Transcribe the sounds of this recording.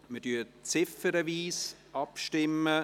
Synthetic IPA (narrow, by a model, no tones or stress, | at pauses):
mədyːt͡sɪfəɾəviːsʔɑpʃtɪmːə